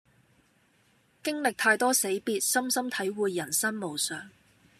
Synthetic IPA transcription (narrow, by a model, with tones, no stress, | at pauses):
kɪ˥ŋlɪ˨k̚t̪ʰaː˧jt̪ɔː˥se˨˥jpiː˨˧t̚sɐ˥msɐ˥mt̪ʰɐ˨˥jwuː˨˧jːɐ˨˩nsɐ˥nmo˨˩wsœː˨˩ŋ